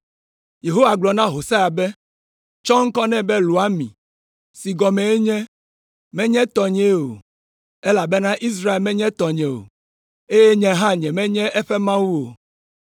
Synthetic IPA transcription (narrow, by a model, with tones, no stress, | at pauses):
je˨ɦo˦wa˨ɡ͡blɔ˨nã˦ɦo˨sa˦ja˨bɛ˦ | t͡ʃɔ˦ŋ̩˦kɔ˦nɛ̃˦bɛ˦lu˨a˦mḭ̃˨ | si˨ɡɔ˨mɛ̃˨e˦ɲɛ̃˦ | mɛ̃˦ɲɛ̃˦t̪ɔ˨ɲɛ̃˦o̰˨ | ɛ˦la˨bɛ˦nã˦ʔi˦s̬ɾa˦e˨lmɛ̃˦ɲɛ̃˦t̪ɔ˨ɲɛ̃˨o̰˨ | e˦je˦ɲɛ̃˦ɦã˦ɲɛ̃˨mɛ̃˦ɲɛ̃˦ʔɛ˦ɸɛ˦mã˦wu˦o˨